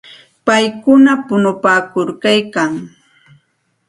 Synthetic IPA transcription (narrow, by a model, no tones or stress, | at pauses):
pajkʊnapʊnʊpaːkʊɾkajkaŋ